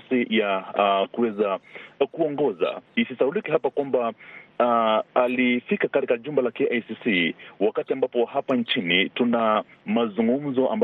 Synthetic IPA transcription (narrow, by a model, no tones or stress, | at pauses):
sijakuwɛzakuɔŋɡɔza̰isisaulikiɦapakwamba | alifikakatikaʄumbɛlakɛʔajsisiwakatiambapɔhapant͡ʃinituna | mazuŋɡum̩zɔʔa̰mb